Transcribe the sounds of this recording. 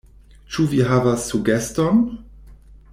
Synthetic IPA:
t͡ʃuviɦavasːuɡɛstɔn

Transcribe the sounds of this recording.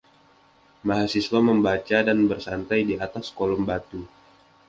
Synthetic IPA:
maɦasislaməmbat͡ʃadanbərsant̪ajdiat̪askolɔmbat̪u

